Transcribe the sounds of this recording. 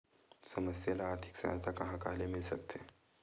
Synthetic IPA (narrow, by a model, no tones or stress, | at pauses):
səməsjalaːɾt̪ʰi̥ksə̰jt̪ʰakɐɦãkaːlemɪlsɐ̰k̚t̪ʰe